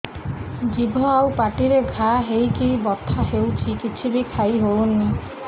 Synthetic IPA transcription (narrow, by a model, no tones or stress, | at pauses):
d͡ʒibʱɔawpaʈiɾeɡʱaɦejkijbɔt̪ʰaɦewt͡ʃʰikit͡ʃʰibikʰajɦoɭuni